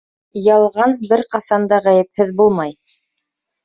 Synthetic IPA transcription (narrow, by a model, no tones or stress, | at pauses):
jɑlˠʁɑnbɘɾqɑsɑnd̪ɑʁæjɘ̆p̚hɘðbulˠmɑj